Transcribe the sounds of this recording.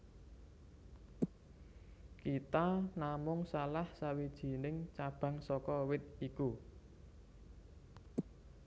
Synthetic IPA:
kit̪anamʊŋsalahsawid̥ʒ̥i̤nɪŋt͡ʃab̥ä̤ŋsɔkɔwɪt̪̚iku

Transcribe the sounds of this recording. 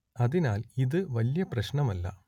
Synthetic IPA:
ɐðinaːliðɨʋɐljɐprɐɕɳɐmɐlːɐ̰

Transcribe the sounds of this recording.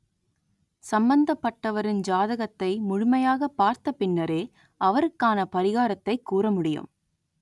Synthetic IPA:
sɐmbɐnd̪ɐpːɐʈːɐʋɐɾɪnd͡ʒaːðɐɣɐt̪ːɐɪmʊɻʊmɐjaːɣɐpːaːɾt̪ɐpːɪnːɐɾeː | ʔɐʋɐɾɯkːaːnɐpɐɾɪɣaːɾɐt̪ːɐɪkːuːɾɐmʊɽɪjɯ̰m

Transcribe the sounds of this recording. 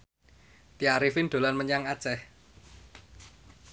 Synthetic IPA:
t̪iaɾifɪnd̪̥o̤lanməɲaŋḁt͡ʃɛh

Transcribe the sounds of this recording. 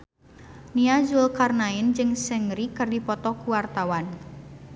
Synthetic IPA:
niazʊlkarnaɪnd͡ʒɨŋsɛŋɾikɨrdipɔt̪ɔkuwart̪awan

